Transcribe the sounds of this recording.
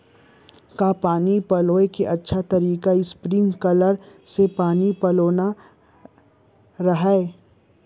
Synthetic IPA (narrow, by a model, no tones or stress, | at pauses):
kapaːnipɐloːekeʔɐtːʃʰat̪ɐɾiːkaɪspɾɪ̃ŋɡkɐləɾsepaːnipɐloːna | ɾɐɦae